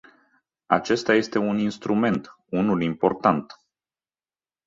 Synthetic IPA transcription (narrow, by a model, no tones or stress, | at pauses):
a̰t͡ʃe̞st̪ajest̪e̞uninst̪ɾume̞nt̪ | unulimpo̞rt̪ant̪